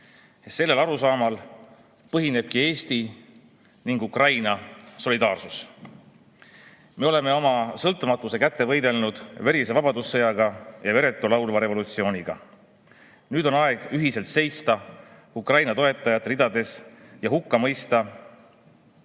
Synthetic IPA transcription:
se̞lːe̞lɑɾusɑːmɑl | pɤɦine̞b̥̚kie̞ːst̪i | niŋɡ̥ukrɑjnɑso̞lʲid̪ɑːrsus | me̞o̞le̞me̞o̞mɑsɤlt̪ːˑumɑt̪ːˑuse̞kæt̪ːevɤjd̪e̞lnud̪̥veɾisevɑb̥ɑd̪usːɤjɑɡ̥ɑjɑve̞ɾe̞t̪ːˑulɑwlvɑɾe̞vo̞lut̪sio̞ːnʲiɡ̥ɑ̰ | nyːd̪o̞nɑe̞ɡ̥yɦise̞lt̪se̞jst̪ɑ | ukrɑjnɑt̪o̞e̞t̪ˑːɑjɑt̪ːɾid̪ɑd̪e̞sjɑɦukːɑmɤjst̪ɑ

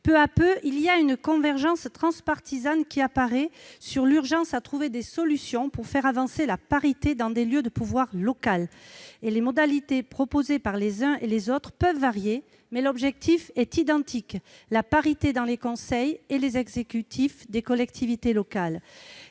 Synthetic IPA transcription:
pøapøʔiliaynkɔ̃vɛʁʒɑ̃st̪χɑ̃spaʁt̪izankʲiapaʁɛsyʁlyʁʒɑ̃sat̪χuved̪esɔlysjɔ̃puʁfɛʁavɑ̃selapaʁit̪ed̪ɑ̃d̪eljød̪əpuvwaʁlɔkalelemɔd̪alit̪epχɔpozepaʁlezɛ̃ʔelezɔt̪χəpœvːaʁje | mɛlɔbʒɛk̚t̪ʰifɛt̪id̪ɑ̃t̪ʰiklapaʁit̪ed̪ɑ̃lekɔ̃sɛjelezɛɡzekʲyt̪ʰifd̪ekɔlɛkt̪ʰivit̪elɔkal

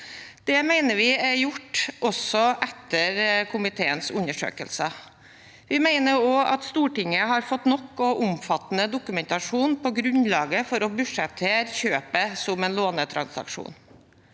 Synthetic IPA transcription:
d̪̥ɛmæɪnəɾʋɪɛjʊʈːʔɔsɔʔɛt̪ːəɾkʰʊmɪt̪ʰeːənsʉɲːəʂø̰ːkə̰lsə | ʋɪmæɪnəɾoːʔɑ̰t̪st̪uːʈɪŋːəɦɑɾfɔt̪nɔkːɔʔʊmfɑt̪ːnəd̪ʊkʉmɛnt̪ɑʂuːnpʰɔɡɾʉnlɑːɡəfɔɾɔbʉʂɛp̚t̪ʰːeːɾçøːpəsɔmɛnloːnət̪ʰɾɑ̰nsɑ̰kʂṵːn

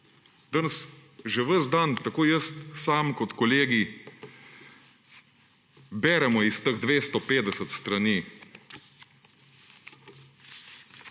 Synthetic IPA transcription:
d̪ənsʒɛʋəzd̪ant̪akoːjəst̪saːmkɔt̪kɔleːɡi | bɛːɾɛmɔist̪əɣd̪ʋeːst̪ɔpeːd̪ɛsət̪st̪ɾaniː

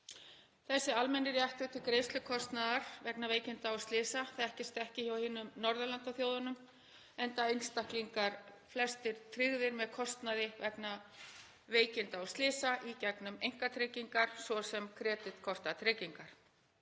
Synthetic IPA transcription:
θɛsːɪalmɛnːɪrjaht̪ʏt̪ʰɪlkɾejst̪lʏkʰɔst̪naðaɾ̥vɛknaveːjcɪnt̪aɔwst̪lɪːsaθaɛhcɪst̪ɛhcɪçawhɪːnːʏmnɔɾðalant̪aθjowðanʏm | ɛnt̪aejnst̪ahkliŋkaɾ̥ | flɛst̪ɪɾ̥t̪ʰɾiɣðɪɾmɛðkʰɔst̪naðɪvɛkna | veːjcɪnt̪aɔst̪lɪːsaʔicɛknʏmejŋ̥kat̪ʰɾeːciŋkaɾ̥svɔsɛmkʰɾɛːt̪ɪt̪kʰɔst̪at̪ʰɾeːciŋkaɾ̥

